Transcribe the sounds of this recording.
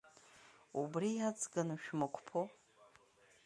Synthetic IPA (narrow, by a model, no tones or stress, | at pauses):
ubriat͡sʰʼɡanuʃᶣmakʷʰpʰo